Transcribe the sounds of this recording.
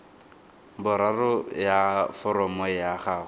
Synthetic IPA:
bʊɾarʊjafɔɾɔmɔjaχaːɣʊ

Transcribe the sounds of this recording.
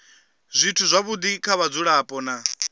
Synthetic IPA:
zʷitʰuzʷaβud̪ikʰaβad͡zuɺaːpʼɔna

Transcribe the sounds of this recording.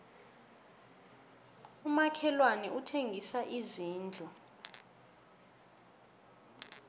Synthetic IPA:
umakʰɛlwanɛutʰeŋɡʱisaʔiziːnd͡ɮʱɔ

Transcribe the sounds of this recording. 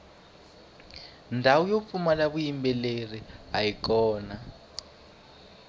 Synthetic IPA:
ndʱawujop̪fumalaβujimbɛleriɦajikɔːna

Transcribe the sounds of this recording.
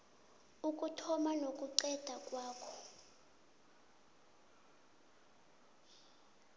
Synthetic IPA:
uk̬ʼutʰɔmanokʼuǀɛd̥ʱakʼwaːkʰɔ̥

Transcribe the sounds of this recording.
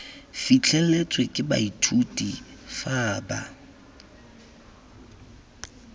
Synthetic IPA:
fit͡ɬʰɛlet͡sʼwekʼɪba̰itʰutʼifaːba̰

